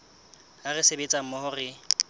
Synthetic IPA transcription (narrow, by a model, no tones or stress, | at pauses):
arɪsebet͡sʼam̩mɔhʊrɪ